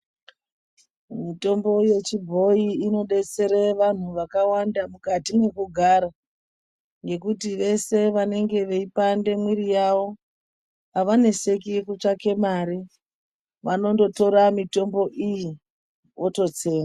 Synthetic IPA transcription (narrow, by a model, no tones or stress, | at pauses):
mito̞mbo̞je̞t͡ʃibʱo̞iːno̞ɗe̞t͡se̞ɾeʋan̤uʋakawandamukatine̞kuɡʱaːɾa | ŋɡe̞kutiʋe̞se̞ʋane̞ŋɡe̞ʋe̞ipande̞mwiɾijaʋo̞ | aʋane̞se̞kikut͡ʂake̞maɾi | ʋano̞ndo̞to̞ɾamito̞mbo̞ʔiji | wo̞to̞t͡se̞ːna